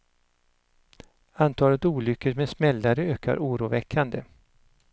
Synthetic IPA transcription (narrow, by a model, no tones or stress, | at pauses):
ant̪ʰɑːlət̪uːlʏkːəɾmed̪smɛlːaɾəøːkʰa̰ɾʔuːɾuːvɛkʰːand̪ə